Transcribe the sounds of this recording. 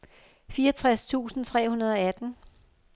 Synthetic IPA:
fiːɐt͡sʰʁast͡sʰṵːsn̩t͡sʰʁɛ̰ːhunɐð̞ˠɒ̽æd̥n̩

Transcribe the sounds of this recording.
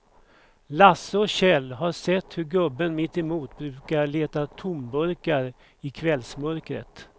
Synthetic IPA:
lasːəɔɕɛlːɦaɾʂɛt̪ːhɵɾɡɵbːənmɪt̪ːɛmuːt̪bɾʉ̟ːkaɾɭeːt̪at̪ʰʊmbœɾkaɾ | ɪkʰvɛlsmœɾkɾə̰t̪

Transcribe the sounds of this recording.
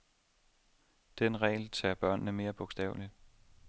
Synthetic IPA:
d̥enʁɛ̰ɪlt͡sʰɛɐb̥ɶɐ̰nːəme̝ːɐb̥ɔɡ̥sd̥ɛ̰ʊli

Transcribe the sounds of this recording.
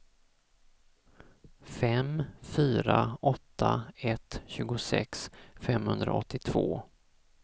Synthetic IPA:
fɛmfyːɾaɔt̪ʰːaɛt̪ɕʉ̟ːɡʊsɛ̰ksfɛmhɵnd̪ɾaɔt̪ːɪt̪ʰv̥oː

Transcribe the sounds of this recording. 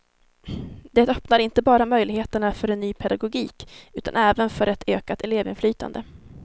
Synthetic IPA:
d̪ɛt̪œpnaɾɪnt̪əbɑːɾamœjlɪɡheːt̪əɳafœɾɛnːyːpʰɛd̪aɡʊɡiːkʉ̟ːt̪ʰa̰nɛːvənfœɾɛt̪ʰøːkat̪ɛleːvɪ̰nflyːt̪ʰa̰nd̪ə

